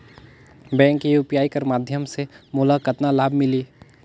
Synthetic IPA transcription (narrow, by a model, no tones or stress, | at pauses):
bɛ̃ːŋkːijuːpijaːikəɾmaːd̪ʱjəmsemʊːlakət̪nalaːbʱmɪliː